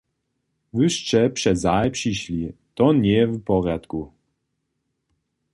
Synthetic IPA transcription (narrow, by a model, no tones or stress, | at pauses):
vɨʂt͡ʂɛpʂɛzajpʂiɕlʲit̪ɔɲɛɛvupɔrjat̪ku